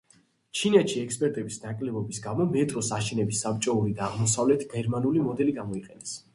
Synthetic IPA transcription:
t͡ʃʰinɛʃiɛkspʼɛɾt̪ʼɛbisnakʼlɛbɔbisɡamɔmɛt̪ʼɾɔsaʃɛnɛbisːap̚t͡ʃʼɔuɾid̪aːʁmɔsavlɛt̪ʰɡɛɾmanulimɔd̪ɛliɡamɔiqʼɛnɛs

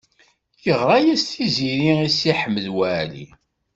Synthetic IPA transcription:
jəʁɾˤajæsθiziɾiisiħəmːəðwæʕlḭ

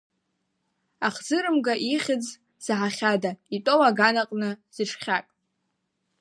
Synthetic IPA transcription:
aχzɨɾɨmɡaʔiχʲɪd͡z | z̥ʕaχʲadaitʼowaɡanaqʼnɨz̥ɨʈ͡ʂʰχʲakʼ

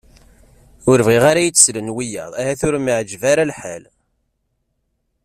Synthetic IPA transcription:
ʊɾvʁiʁaɾajit͡sːslənwijɑ̰ðˤæhæθʊɾmiʕd͡ʒvaɾalħa̰l

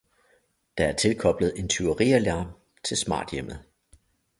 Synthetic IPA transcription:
d̥ɑ̈æɐt͡sʰe̝lkʰɒ̽b̥ləð̩ˠe̝nt͡sʰyɐʁḭɐlæɐ̰m | t͡sʰe̝lsmɑ̰̈ːd̥jem̰əð̩ˠ

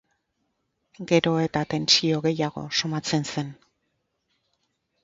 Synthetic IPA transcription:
ɡe̞ɾo̞e̞t̪at̪e̞nt͡ʃio̞ɣe̞jaɣ̞o̞̰so̞mat͡se̞nse̞n

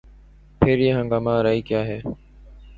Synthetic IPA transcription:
pʰeːɾjeːɦə̃ŋɡaːmãːɾaːiːkjaːɦeː

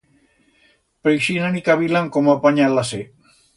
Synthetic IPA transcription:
pɾejʃinanikaβilaŋkomapaɲalase

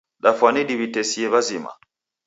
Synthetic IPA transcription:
ɗafaniɗibitesieβazima̰

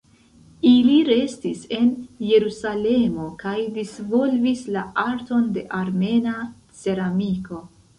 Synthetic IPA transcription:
iliɾe̞stise̞nje̞ɾusale̞mo̞kajdisvo̞lvislaaɾto̞nde̞ʔaɾme̞na | t͡se̞ɾamiko̞

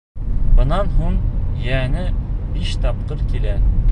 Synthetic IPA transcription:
bɤ̆nɑnɦuɴjænɘbiʃt̪ɑp̚qɤɾkilæ

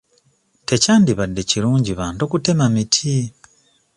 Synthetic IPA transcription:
te̞caːndiβadːe̞ciɾuːɲɟiβaːnto̞kute̞mamitʰi

